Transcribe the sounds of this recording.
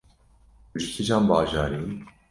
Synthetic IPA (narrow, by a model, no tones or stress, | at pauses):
ʒɪkʰid͡ʒaːnbɑːʒɑːɾiː